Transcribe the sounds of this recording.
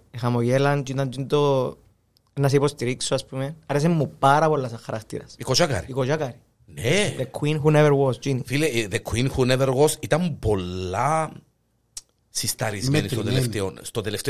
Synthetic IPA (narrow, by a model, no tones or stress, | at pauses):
examojeland͡ʒit̪and͡ʒind̪o | enːas̬ipost̪iɾiksoaspumenaɾes̬emːupːaɾapolːas̬aχaɾast̪ḭɾa̰sikot͡ʃaka̰ɾiikoʃakaɾi | neðekʰwinxuneʋeɾwosd͡ʒinifileðekʰwinxuneveɾɣosit̪ampolːa | sist̪aɾizenist̪ot̪eleft̪eonst̪ot̪eleft̪e